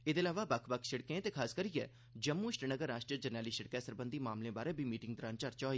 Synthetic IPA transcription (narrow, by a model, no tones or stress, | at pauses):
ɪd̪eːlaːʋaːbəkʰbəkʰʃɪɽkẽt̪eːkʰaːskəɾijɛ̰ː | d͡ʒəmːuːɪʃʈənəɡəɾːaːʃʈɾiəd͡ʒənaːliːʃəɽkɛːsəɾbənd̪iːmaːmlẽːbaːɾeːbʱiːmiːʈɪŋɡd̪ɾãːnt͡ʃəɾt͡ʃɔːiː